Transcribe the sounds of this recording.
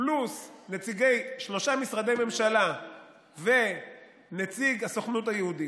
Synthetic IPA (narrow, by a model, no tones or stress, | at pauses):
plusnet͡siɡe̞jʃlo̞ʃamisʁad̪e̞jme̞mʃala | ve̞ | net͡siɡaso̞χnut̪hajehud̪i